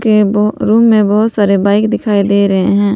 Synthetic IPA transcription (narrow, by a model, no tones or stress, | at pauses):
kebɾuːmːẽbɐɦʊt̪saːɾebaːɪkd̪ɪkʰaːid̪eːɾɐɦḛɦɛ̃ː